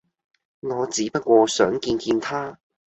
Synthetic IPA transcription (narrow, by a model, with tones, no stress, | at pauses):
ŋɔː˨˧t͡siː˨˥pɐ˥t̚kʷɔː˧sœː˨˥ŋkiː˧nkiː˧nt̪ʰaː˥